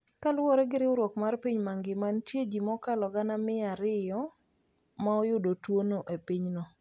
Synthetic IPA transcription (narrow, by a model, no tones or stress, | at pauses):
kalwɔɾeɡɪɾɪʊɾwɔkmarpiɲmaŋɡɪmantjed͡ʒimɔkalɔɡanamɪaɾɪjɔ | maɔjʊdotwonoʔepiɲnɔ